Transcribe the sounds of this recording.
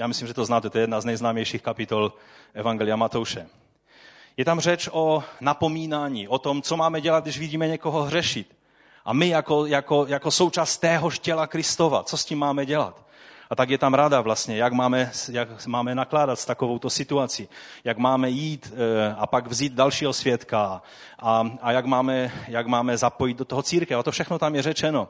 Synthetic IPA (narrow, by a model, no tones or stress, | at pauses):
jaːmɪslimʒɛt̪oznaːt̪ɛt̪oɛjɛd̪naznɛjznaːmjɛjʃiːxkapɪt̪ol | ʔɛvaŋɡɛlijamat̪owʃɛ | jɛt̪amr̝ɛt͡ʃʔonapo̞miːnaːɲiːʔot̪omt͡somaːmɛɟɛlad̪ɡdɪʒviɟiːmɛɲɛkoɦoɦr̝ɛʃɪt̪ | ʔamɪjakojakojakosowt͡ʃaːst̪ːɛːɦoʃcɛlakɾɪst̪ova̰t͡soscimːaːmɛɟɛla̰t̪ | ʔat̪aɡjɛt̪amɾadavlast̪ɲɛjaɡmaːmɛsjakmaːmɛnaklaːdat̪st̪akovowt̪osɪt̪uat͡sijaɡmaːmɛjiːt̪apaɡvziːd̪̚dalʃiːɦosvjɛt̪ka | ʔaajaɡmaːmɛjaɡmaːmɛzapo̞jid̪̚dot̪oɦot͡siːɾkɛfat̪ofʃɛxnot̪amjɛrɛt͡ʃɛno